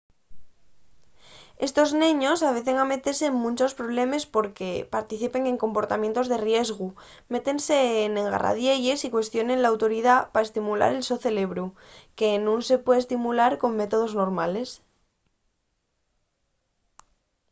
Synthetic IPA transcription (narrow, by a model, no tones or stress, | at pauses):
e̞st̪o̞znĩɲo̞saβ̞e̞θe̞ŋame̞t̪e̞ɾseːŋmũnʲt͡ʃo̞spɾo̞β̞le̞me̞spo̞ɾke̞paɾt̪iθipe̞ŋe̞ŋko̞mpo̞ɾt̪amjent̪o̞zðe̞rje̞zɣ̞u | me̞t̪e̞nse̞ːnẽŋɡa̰ra̰ð̞je̞ʝe̞sikwe̞st̪jo̞ne̞nlaːwt̪o̞ɾið̞apaest̪imula̰ɾe̞lso̞θe̞le̞β̞ɾu | ke̞nũnse̞pweðest̪imulaɾko̞ŋme̞t̪o̞ð̞o̞zno̞ɾmale̞s